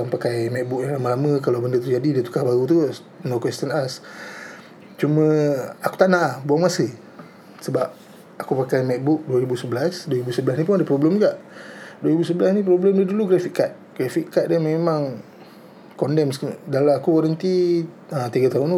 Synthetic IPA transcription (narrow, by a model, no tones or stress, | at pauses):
aŋpakajmɛk̚buk̚jaŋlaməlaməkalawbəndət̪ərd͡ʒadidət̪u̥kahbaɾut̪̬u | nokwɛst̪ənas | t͡ʃumə̃aku̥t̪anaʔbuaŋmasə | səbap̚ | akupakajmɛk̚bʊk̚duaɾibusəbəlasdwaɾibusəbəlasnip̬ʊnadəpɾɔbləmuɡaʔduaɾibusəbəlasnĩpɾɔbləmdəduluɡɾafiʔkːat̪̚ɡ̥ɾafikkːat̪̚dəmemaŋ | kɔndɛmsdalaakukɔɾənt̪i | ət̪iɡat̪aʊnu